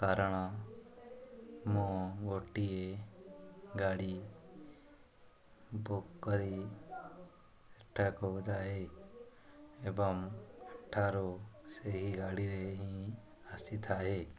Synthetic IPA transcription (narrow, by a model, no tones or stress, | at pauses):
kaːɾəɽ̃ | mõɡoːʈie | ɡaːɽi | boːkːəɾi | eʈʰːɛkod͡ʒaːɦe | eːbəmʈʰaːɾoseɦiɡaːɽiɾeɦĩasit̪ʰaːɦe